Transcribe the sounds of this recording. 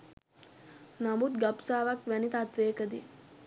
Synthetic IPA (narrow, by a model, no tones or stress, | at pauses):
namut̪ɡapsaːʋakʋænit̪at̪ʋeːkəd̪i